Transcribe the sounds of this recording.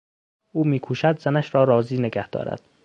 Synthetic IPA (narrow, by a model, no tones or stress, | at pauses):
uːmiːkʰuːʃæd̪zænæʃɾɒːɾɒːziːneɡæhd̪̥ɒ̰ːɾæ̰d̪̥